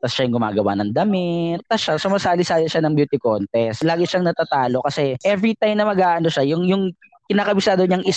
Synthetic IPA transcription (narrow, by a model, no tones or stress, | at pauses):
t̪ɐsʃajʊŋɡʊma̰ːɡɐwa̰nɐŋd̪ɐmɪt̪̚ːɐsʃasʊmɐsaːlɪsaːlɪʃanɐŋbjuːt̪ɪkont̪ɛslaːɡɪʃaŋnɐt̪aːt̪aːlo̞kɐsɛʔɛvɾit̪ajmnɐmɐɡaːʔɐnoʃajʊŋjʊŋ | kɪnaːkɐbɪsaːd̪oɲaŋʔɪ